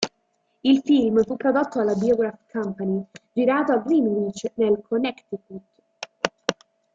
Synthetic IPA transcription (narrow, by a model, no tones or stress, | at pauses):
ilfilmfupːɾod̪ot̪ːoalːabiɔɡɾafkʰampanid͡ʒiɾaːt̪oaɡɾinɾit͡ʃːnelkʰonɛkt̪ikut̪